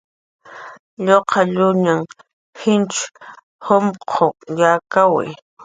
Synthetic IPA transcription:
ʎoqʰɑʎʊɲaŋ | hɪnt͡ʃ | homqʰojakawa̰j

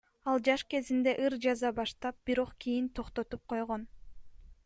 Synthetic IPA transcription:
ɑlˠd͡ʒɑʃke̞zind̪e̞ʔɯɾd͡ʒɑzɑbɑʃt̪ɑp̚b̥iɾo̞qkijint̪ʰo̞qt̪o̞t̪up̚qʰo̞jʁon

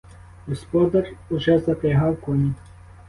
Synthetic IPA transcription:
ɣɔspɔd̪ɐruʐɛzɐp̪ɾɛɦawkɔnʲi

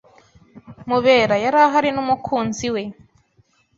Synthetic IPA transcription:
muβe̞ːɾajaɾaɦaɾinumukʰuːnziwe̞

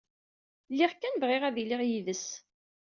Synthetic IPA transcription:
lːiʁkːænvʁɪʁæðilɪʁjiðəs

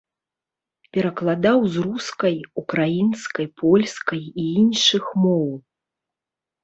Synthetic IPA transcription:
pʲɛɾɐklˠad̪awzɾuskɐjukɾajinskɐjpʰɔlʲskɐjiinʂɨxmɔw

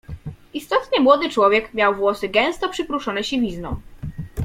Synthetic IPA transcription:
ist̪ɔt̪ɲɛmwɔd̪ɘt͡ʂwɔvʲjɛkmʲjawvwɔsɘɡɛ̃w̃st̪ɔpʂɘpɾuʂɔnɛɕivʲiznɔ̃w̃

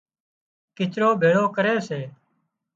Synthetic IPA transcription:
kɪt͡ʃɾoːbʱeːɽoːkəɾeːseː

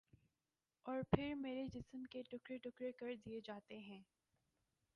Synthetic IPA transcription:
ɔːɾpʰɪɾmeːɾed͡ʒɪsəmkeʈʊkɾeʈʊkɾekəɾd̪ijed͡ʒaːt̪eɦɛ̃ː

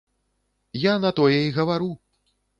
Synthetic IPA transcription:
janɐt̪ɔjɛiɣɐvaɾu

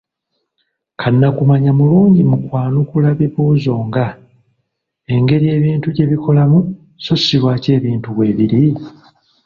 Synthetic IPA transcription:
kʰanːakumaɲamuluːɲɟimukwaːnukulaβiβuːzo̞ːŋɡa | e̞ŋɡe̞ɾije̞ːβiːntuɟe̞βiko̞lamu | so̞siβwaːce̞ːβiːntuβwe̞ːβiɾi

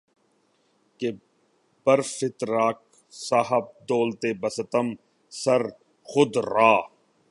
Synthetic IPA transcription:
ke | bəɾfɪt̪ɾaːk̚ | saːɦəb̚d̪oːlt̪eːbɐsət̪əm | sɐɾ | xʊd̪ɾaː

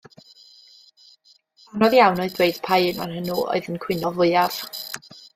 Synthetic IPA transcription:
anɔðjawnɔɨðdwejd̥pʰajnma̰nhənuɔ̰ɨðənkʰw̥ɪnɔvʊɨav̥

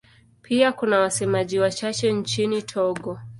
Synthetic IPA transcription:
pʰiakunawasɛmaʄiwat͡ʃat͡ʃɛnt͡ʃinitʰɔɠɔ

